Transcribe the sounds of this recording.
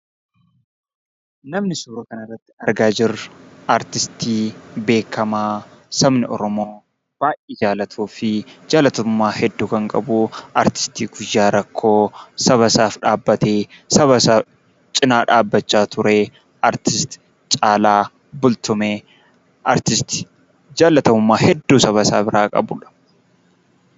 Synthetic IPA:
nɐmnɪsuːɾɐkɐnɐrːɐt̪ːɪ̥ɐɾɡaːd͡ʒɪrʔɐɾt̪ɪst̪ʰiːbe̞ːkʰːɐmaːsɐmnɪʔɔɾɔmo̞ː | b̥aːjʔɪːd͡ʒaːlɐt̪ʰuːfɪd͡ʒaːlɐt̪ʊmːaːhɛd̪ːuːkɐŋkʼɐ̰buɐɾt̪ɪ̥st̪iːɡʊjːaːɾɐkʰːo̞ːsɐβɐsaːfᶑaːbːɐt̪eːsɐβɐsaː | t͡ʃʼɪnaːᶑaːbːɐt͡ʃːaːt̪ʊɾeː | ɐɾt̪ɪst̪ɪ̥ | t͡ʃʼaːlaː | bʊlt̪ʊmeː | ʔɐɾt̪ɪst̪ɪ̥ | d͡ʒaːlɐt̪ɐmʊmːaːhɛd̪ːuːsɐβɐsaːbɪɾaːkʼɐ̰bʊᶑɐ̥

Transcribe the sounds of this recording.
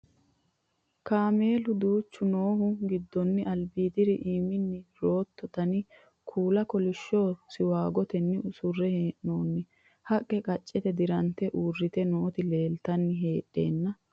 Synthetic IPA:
kaːme̞ːlʊd̪uːt͡ʃːʊno̞ːhʊɡɪd̪ːɔnːɪɐlbiːd̪ɪɾɪʔiːmɪnːɪɾo̞ːt̪ːɔt̪ɐnɪ | kʰuːlɐkɔlɪʃːoːsɪwaːɡɔt̪ɛnːɪʊsʊrːɛheːʔnoːnːɪ | hɐkʼːɛkʼɐt͡ʃʼːɛt̪ɛd̪ɪɾɐnt̪ɛʔuːrːɪt̪ɛnoːt̪ɪle̞ːlt̪ɐnːɪɦe̞ːʔːe̞̰ːnːɐ

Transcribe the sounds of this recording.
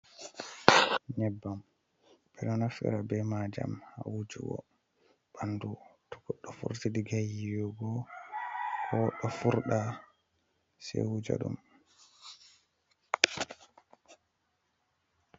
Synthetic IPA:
ɲɛbːam | bɛɗɔnafɛ̰ɾabɛmad͡ʒa̰mhawud͡ʒṵɡɔ̰ | b̥andutɔ̥kɔɗːɔfṵɾtidiɡajijɔɡɔ | hɔɗɔfuɾɗa | sɛ̰ud͡ʒa̰ɗum

